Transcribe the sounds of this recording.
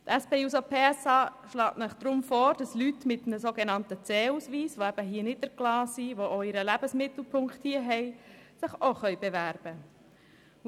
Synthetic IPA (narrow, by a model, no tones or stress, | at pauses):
t̪ɛspeːusopʰeːɛsɑːʃlɑːtnəχd̪̥ɾʊmfɔːɾd̥ɑslytmɪtmnəsoɡenɑntət͡sɛːusʋiːsʋoæb̥əɦiənɪd̚d̥əɾklɑːsiʋoʔoɪɾəlæb̥əsmɪt̪l̩ˠpʰʊŋkχthiəɦɛjsɪχoχœʏb̥eʋæɾb̥ə